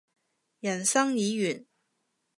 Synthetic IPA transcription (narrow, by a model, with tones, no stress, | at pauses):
jɐ˨˩nsɐ˥ŋjiː˨˥ɥyː˨˩n